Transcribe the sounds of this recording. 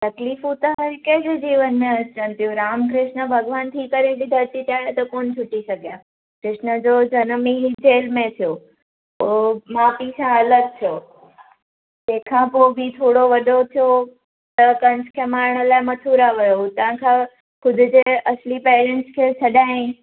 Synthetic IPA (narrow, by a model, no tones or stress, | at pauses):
t̪ɐkliːfũt̪ɐɦɐɾkẽd͡ʑʊd͡ʑiːʋənmẽɐt͡ɕənt̪ijũɾaːmkɾɪʃnə̆bʱɐɡʋaːnt̪ʰiːkəɾebid̪ʱɐɾt̪it̪aːjot̪ɐkoːnt͡ɕʰʊʈisɐɡʱijaː | kɾɪʃnəd͡ʑod͡ʑɐnmiɦɪd͡ʑeːlmẽt̪ʰijo | omaːpisãɐləɡ̪̚t̪ʰijoː | d͡ʑẽkʰãpoːbʱit̪ʰoːɽoʋɐɗot̪ʰijo | t̪ɐkɐ̃nskʰeːmaːɾɳ̃ə̆laːɪmɐt̪ʰuɾaʋɐjot̪ɐ̃ʋãkʰã | kʰʊd̪ʱʊ̆d͡ʑeʔɐslipeːɾẽɳʈskʰeːsʰɐɗaːĩ